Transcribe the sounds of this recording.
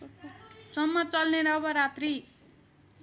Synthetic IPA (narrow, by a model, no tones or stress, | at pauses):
sʌmːʌt͡sʌlneɾʌːbʌɾat̪ri